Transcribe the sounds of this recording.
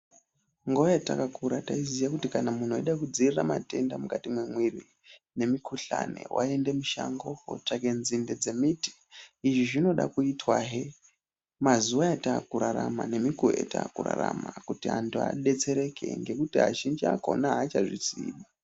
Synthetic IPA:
ŋɡojatakakuɾataizijakutikanamuno̞iɗakud͡ziriramate̞ndamukatimwemwiri | ne̞mikuɬa̰ne̞̰wʔae̞nde̞muʃa̰ŋɡo̞o̰takenzinded͡ze̞miti̥iʐiʐino̞ɗa̰kuitwaɦe | mazuwaataːkuɾaɾamane̞mikoeta̰ːkura̰ra̰makutiɦantʰua̰ɗe̞t͡se̞ɾe̞kʰe̞̰ŋɡe̞kutiɦat͡ʃind͡ʒiako̞̰naɦat͡ʃaʐisḭːɗa

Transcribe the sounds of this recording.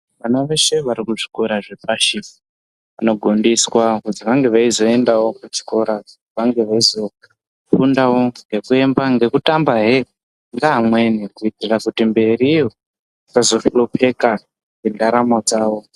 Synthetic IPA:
ʋanaʋe̞ʃe̞ʋaɾikuʐikoɾaʐepaʃi | ʋano̞ɡʱo̞ndiswakud͡ziʋaŋɡe̞ʋaizo̞e̞ndawo̞kut͡ʃi̥ko̞ɾa | ʋaŋɡe̞ʋaizo̞ | pundawo̞ŋɡe̞kue̞mbaŋɡe̞kutambaɦe | ŋɡaɦamwe̞nikuitirakutimbe̞riːjo | it͡sazo̞fulopʰe̞ka | ŋɡendaɾamod͡zaːwo̞

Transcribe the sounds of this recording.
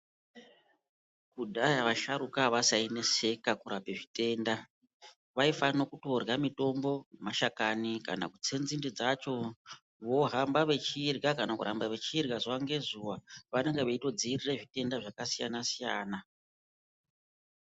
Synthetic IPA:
kudʱajaʋaʃaɾukaʋasaine̞se̞kakuɾape̞ʐite̞ːnda | ʋaifano̞kuto̞rɣamito̞mbo̞nmaʃakanika̰na̰kut͡se̞nd͡zindid͡zat͡ʃo̞ | ʋo̞ɦambaʋe̞t͡ʃiːrɡakanakṵɾʔambaʋe̞t͡ʃirɡazuʋaŋɡe̞zuʋaʋane̞ŋɡeʋaito̞d͡ziːrireʐite̞ndaʐakasijanasija̰ːna

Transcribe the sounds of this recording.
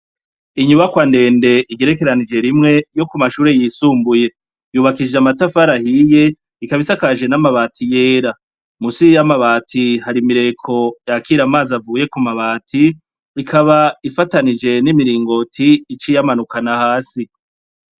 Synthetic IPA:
iɲuβakwande̞ːnde̞iɡe̞ɾe̞ke̞ɾanid͡ʒe̞ɾimŋe̞jo̞kumaʃuːɾe̞jiːsuːmbuje̞ | juːβakid͡ʒeamatafaɾahije̞ | ikaβisakaʒe̞namaβaːtʰije̞ːɾa | musijamaβaːtʰihaɾimiɾe̞kʰo̞jakiɾamaːzavuːje̞kumaβaːtʰiː | kʰaβaifatanid͡ʒe̞nimiɾiːŋɡo̞tʰiːt͡ʃijamanukanahaːsi

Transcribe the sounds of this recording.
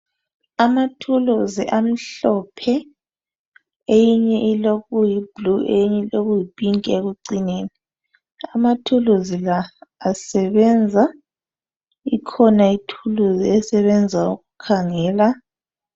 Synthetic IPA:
amatʰuluziʔam̩ɬɔpʰɛ | ejiɲɛʔiloɣujib̥luʔejiɲɛloɣujib̥ʱʼiŋkʼeɣuǀineːni | amatʰuluzilaːsɛβɛnd͡zʱa | ikʰɔnaitʰuluziɛsɛβɛnd͡zʱaṵɣukʰaŋɛːla

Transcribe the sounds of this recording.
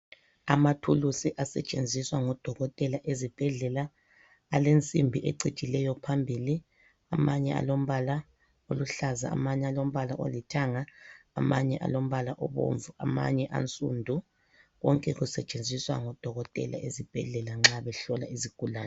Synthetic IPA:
amatʰulusiʔasɛt͡ʃʼend͡zʱiswaŋɔd̥ʱɔɣɔtʼɛlaʔezib̥ʱɛɮɛlaː | lent͡sʼimbʱiʔḛǀi̥t͡ʃʼilɛjɔpʰambʱili | amaɲɛa̰lom̩βala | oluɬaza̰a̰maɲɛalom̩βalaʔo̰litʰaŋaːmaɲɛʔa̰lom̩βalaʔɔβo̰ɱvuama̰ɲɛʔa̰nt͡sʼṵndʱu | ɣɔŋkʼɛɣusɛt͡ʃʼend͡zʱiswa̰ŋɔd̥ʱɔɣɔtʼɛ̰lʔa̰ʔezib̥ʱɛɮɛlaŋ͡ǁaβɛɬɔla̰iziɡ̥ʱulaːnɛ

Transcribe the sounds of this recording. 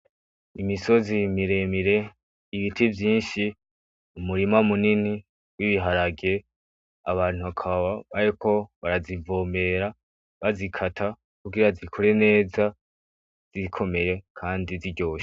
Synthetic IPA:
imiso̞zimiɾe̞miɾe̞ | iβitivjiːnʃi | umuɾimamunini | wiβiɦaɾaɡe̞ | a̰βaːn̥huakʰaβaβaɾikʰo̞βaɾazivo̞ːmbe̞ɾa | βazikʰatʰa | kuɡiɾazikʰo̞ɾe̞ne̞ːza | z̥ikʰo̞me̞je̞kʰaːndiziɾɟo̞ːʃe̥

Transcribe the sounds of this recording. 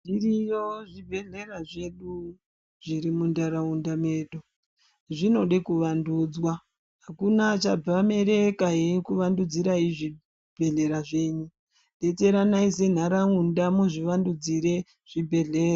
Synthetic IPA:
d͡ʒirijo̞ʐibʱe̞ɮe̞raʐe̞ɗu | ʐ̥iɾimundaɾaundame̞ːɗo | ʐino̞ɗekuʋanduːd͡zwa | ɦakunat͡ʃab͡vame̞ɾekaɦekuʋandud͡ziɾaiʐi | bʱe̞ɮe̞ɾaʐe̞ːɲu | nde̞te̞ɾanaise̞n̤aɾaundamuʐiʋandud͡ziɾe̞ | ʐ̥ibʱe̞ɮe̞ːra

